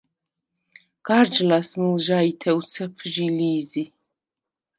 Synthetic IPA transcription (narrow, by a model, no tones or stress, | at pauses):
ɡ̥aɾd͡ʒlasmilˠʒait̪ʰɛut̪sʰɛpʰʒiliːzi